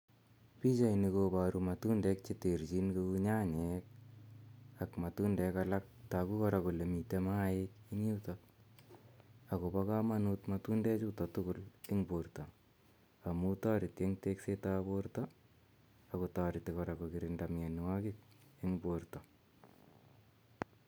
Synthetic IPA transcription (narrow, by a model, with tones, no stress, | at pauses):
pi˦t͡ʃa˨inikoba˨ɾumatu˦ndɛ˦k̚t͡ʃete˨ɾt͡ʃi˦nke˧u˦ɲa˦ɲɛk̚ | akma˨tu˦ndɛ˨kala˦k̚ta˨ku˦kɔ˦ɾako˨le˨mi˨te˦maɪki˦ŋi˦tɔk | ako˨pa˦ka˦ma˦nutmatu˦ndɛ˦t͡ʃutɔ˨tʊkʊ˦lɪ˦ŋboɾtɔ˨ | a˨mu˦ta˦ɾɪ˨tje˦ŋte˦ksetaboɾtɔ | ako˨ta˨ɾɪ˨tikɔ˨ɾa˨ko˨ki˨ɾɪnda˨mɲe˨nwa˦kɪk̚ | ɪ˦ŋboɾtɔ˨